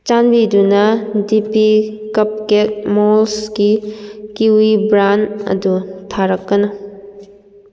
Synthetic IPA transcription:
t͡ʃanbidunɐdipikɐp̚kek̚molsɡikiwibɾanɐ̰dutʰaɾɐkːɐnɐ

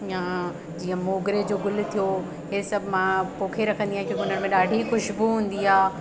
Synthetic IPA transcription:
jã | d͡ʑiːə̃moːɡɾed͡ʑoːɡʊl̆t̪ʰijo | ɦesɐbʱɪmãpoːkʰeɾɐkʰə̃nd̪iãːɦkjõːkʊn̤əɽ̃mẽɗaːɖʱixʊʃbuɦũːn̆d̪iaː

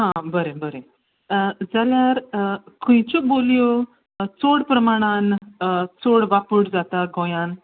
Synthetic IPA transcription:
ɦãbəɾebəɾe | d͡zaljaɾkʰũjt͡ɕoboljo | t͡soɽpɾəmaɽ̃ant͡soɽʋapuɽd͡zat̪aɡõjãn

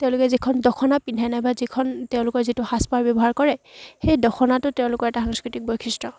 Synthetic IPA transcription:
tɛʊ̃lʊkɛzikʰɔndɔkʰɔnapindʱajnajbazikʰɔntɛʊ̃lʊkɔɹzitʊhaspaɹbjɔbɔɦaɹkɔɹɛxejdɔkʰɔnatʊtɛʊ̃lʊkɔɹɛtaxaŋskɹitik̚bɔjkʰistɹɔ

